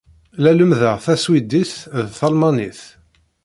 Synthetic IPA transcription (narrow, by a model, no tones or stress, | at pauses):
læləmðəʁθæswid̪iθðθɑlmɑniθ